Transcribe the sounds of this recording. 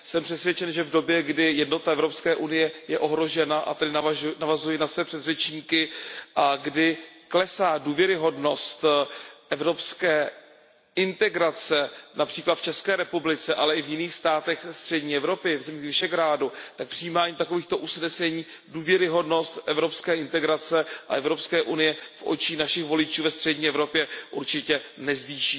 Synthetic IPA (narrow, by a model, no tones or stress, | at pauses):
sɛmpr̥ɛt̪svjɛt͡ʃɛnʒɛvdo̞bjɛɡdɪjɛdno̞t̪aʔɛvɾopskɛːʔunɪjɛjɛʔo̞ɦɾo̞ʒɛnaʔa̰t̪ɛdɪnanavazujɪnasvɛpr̥ɛd̪rɛt͡ʃɲiːkɪaɡdɪklɛsaːduːvjɛɾɪɦo̞dno̞st̪ʔɛvɾo̞pskɛː | ʔɪnt̪ɛɡɾat͡sɛnapr̝̥iːklat̪ft͡ʃɛskɛːɾɛpublɪt͡sɛʔalɛɪvjɪniːxst̪aːt̪ɛxst̪r̝̥ɛdɲiːɛvɾo̞pɪvzɛmiːxvɪʃɛɡɾaːdut̪ak̚pr̥ɪjiːmaːɲiːt̪ako̞viːxt̪o̞ʔusnɛsɛɲiː | duːvjɛɾɪɦo̞dno̞st̪ʔɛvɾo̞pskɛːʔɪnt̪ɛɡɾat͡sɛʔa̰ʔɛvɾo̞pskɛːʔunɪjɛfʔo̰t͡ʃiːnaʃɪxvo̞lɪt͡ʃuːvɛst̪r̥ɛdɲiːɛvɾo̞pjɛʔuɾt͡ʃɪcɛnɛzviːʃiː